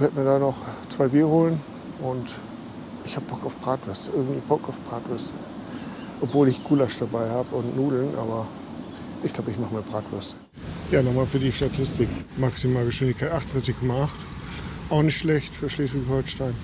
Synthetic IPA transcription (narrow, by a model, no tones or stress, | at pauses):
v̥ɛɐtmiːɐdaːnɔχt͡sv̥aɪbiːɐhoːlən | ʔʊnt | ʔɪçhaːbəb̥ɔkaʊfb̥ʁaːtv̥ɛsəʔɪɐɡŋ̩tv̥iːbɔkaʊfb̥ʁaːtv̥ɛsə | ʔɔpv̥oːlɪçɡ̥uːlaʃd̥abaɪhaːbəʊntnuːdl̩nʔa̰ːbɐ | ʔɪçɡ̥laʊbəɪçmaχəmaːbʁaːtv̥ɛɐsə̥ | jaːnɔχmaːlfyːɐdiːʃtatʰɪstɪkmaksimaːlɡəʃv̥ɪndɪçkʰaɪtʔaχtn̩fɪɐt͡sɪçkʰɔmaaχtʔaʊxnɪçtʃlɛçtfyːɐʃleːsv̥ɪçhɔlʃtaɪn